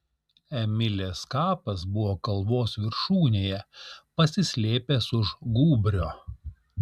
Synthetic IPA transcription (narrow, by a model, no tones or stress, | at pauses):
ɛmʲɪlʲeːskɑːpɐsbʊʋoːkɐlˠʋoːsʋʲɪɾʃuːnʲeːjɛpɐsʲɪsʲlʲeːpʲeːsʊʒɡuːbʲɾʲoː